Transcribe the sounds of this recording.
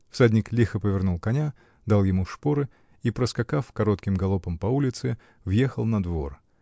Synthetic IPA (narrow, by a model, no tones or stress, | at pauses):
fsadʲnʲɪklʲixəpəvʲɪrnulˠkɐnʲa | d̪alˠjɪmuʂpoɾɨ | ipɾəskɐkafkɐɾo̞t̪kʲɪmɡɐlˠopəmpɐulʲɪt̪sɨ | vjexəlˠnɐd̪vo̞̰r